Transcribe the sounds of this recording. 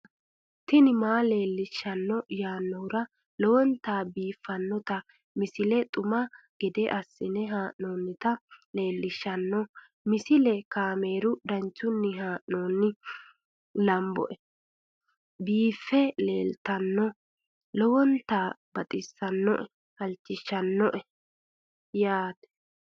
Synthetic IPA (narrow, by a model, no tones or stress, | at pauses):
t̪ɪnɪmaːle̞ːlːɪʃːɐnːɔjaːnːɔhʊɾɐ | lɔwɔnt̪aːbiːfːɐnːɔt̪ɐ | mɪsɪlɛt̪ʼʊmɐ | ɡ̥ɛd̪ɛʔɐsːɪnɛɦaːʔnoːnːɪt̪ɐle̞ːlːɪʃːɐnːɔ | mɪsɪlɛkaːme̞ːɾʊd̪ɐnt͡ʃːʊnːɪɦaːʔnoːnːɪ | lɐmbɔ̰ʔɛ | biːfːɛle̞̰ːlt̪ɐnːɔ | lɔwɔnt̪aːbɐt̪ʼɪsːɐnːɔʔɛ | hɐlt͡ʃːɪʃːɐnːɔʔɛ | jaːt̪ɛ̥